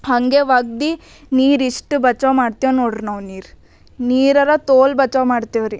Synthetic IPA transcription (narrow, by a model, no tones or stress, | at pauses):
hɐŋɡeʋaːɡ̚d̪i | niːɾiʂʈubɐt͡ʃomaːɖt̪ijonoːɽiɾnɐʋniːɾu | niːɾɐɾɐt̪oːlbɐt͡ʃɐmaːɖt̪iʋɾi